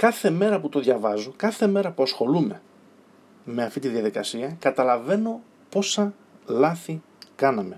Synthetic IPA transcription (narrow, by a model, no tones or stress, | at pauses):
kɐθe̞me̞ɾɐput̪o̞ðʝɐvɐzokɐθe̞me̞ɾɐpuɐsxo̞lume̞ | me̞ɐft̪it̪iðijɐðikɐsiɐkɐt̪ɐlɐve̞no̞ | po̞sɐ | lɐθi | kɐnɐme̞